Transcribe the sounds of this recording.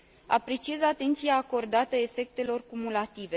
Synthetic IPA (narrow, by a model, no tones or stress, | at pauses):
a̰pɾe̞t͡ʃizat̪e̞nt̪sijaːko̞rd̪at̪əe̞fe̞k̚t̪e̞lo̞rkumulat̪ive̞